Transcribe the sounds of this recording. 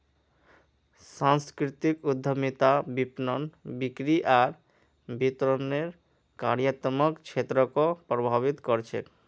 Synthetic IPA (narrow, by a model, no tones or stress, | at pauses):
saŋskɾit̪ikud̪ʱːomit̪abipnonbikɾiʔaɾ | bit̪ɾoneɾ | ka̰ɾijat̪ɔmokt͡ɕʰet̪ɾokopɾobʱaβit̪koɾt͡ɕʰḛ